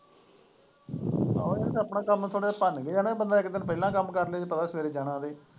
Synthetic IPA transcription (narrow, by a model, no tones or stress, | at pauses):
a̰eəpnãːkəmũt̪ʰoːɽeːepənɡəiaːnãiːbənd̪aːɪkd̪ɪnpəilãːkəmːkəɾleeːpət̪aːsʋeːɾeːd͡ʒaːɽãːd̪eː